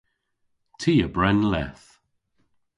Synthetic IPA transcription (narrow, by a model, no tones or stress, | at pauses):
tʰiːəbɹɛnlɛ̰θ